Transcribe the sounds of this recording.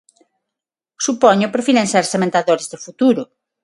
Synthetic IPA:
supɔɲʊpɾfiɾẽŋseɾsemẽnt̪aðoɾɪzðɪfut̪uɾʊ

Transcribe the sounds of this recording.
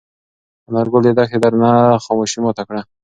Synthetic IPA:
anaɾɡold̪ed̪axed̪aɾnaxomoʃimot̪akɽa

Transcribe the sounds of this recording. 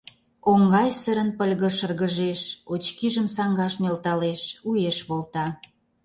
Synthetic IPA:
oŋɡɑjsəɾənpəlʲɣə̆ʃərɣəʒeʃot͡ɕkiʒəmsɑŋɡɑʃnelt̪ɑleʃujeʃβolt̪ɑ

